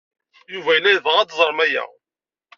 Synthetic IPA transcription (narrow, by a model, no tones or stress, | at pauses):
juvæjəlːæjðʁæd̪zˤəɾˤmæjæ̰